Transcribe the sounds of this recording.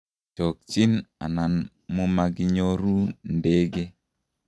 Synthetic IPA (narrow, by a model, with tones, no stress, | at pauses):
t͡ʃo˨k̚t͡ʃi˦na̰˨na˨n | mu˦ma˨ɡɪ˦ɲo˦ɾu˦nde˦ɡe˦